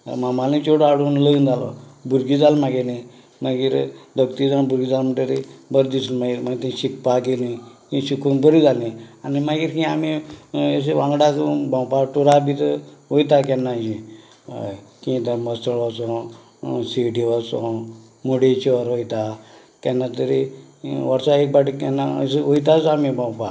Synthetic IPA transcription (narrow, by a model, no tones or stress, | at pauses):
mamalĩt͡ʃoɽaɽuːnləind͡zalɔ̰buɾɡid͡zalmaɡelĩ | məɡiːɾd̪əkt̪id͡zanibuɾɡid͡zalm̤əɳʈeɾibəɾd̪isunmaɡiːɾməɡit̪ĩɕik̚paɡelĩkĩːɕikunbəɾid͡zalĩanimaɡiːɾkĩamies̬eʋãŋɡɽat͡sbãwpaʈuɾabit̪ʋojt̪̬akɛnːad͡ʑĩ | kĩd̪əɾməst̪əɭʋasɔ̃ | siʈiʋasɔ̰̃ | moɽet͡ɕiɔɾʋojt̪a | kɛnːat̪əɾeʋəɾsaek̚baʈikɛnːaseʋojt̪at͡samibãwpa